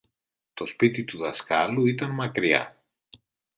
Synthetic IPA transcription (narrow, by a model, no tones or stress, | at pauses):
t̪o̞spit̪it̪uðɐskɐluit̪ɐnmɐkɾiɐ̰